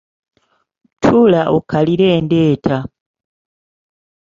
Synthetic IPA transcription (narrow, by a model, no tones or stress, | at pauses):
tʰulaʔokʰaliɾeːndeːtʰa